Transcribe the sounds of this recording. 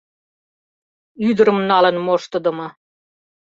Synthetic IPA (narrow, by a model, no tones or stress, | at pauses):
yd̪ə̆ɾɤ̆mnɑlɤ̆nmoʃt̪ə̆d̪ə̆mɤ̆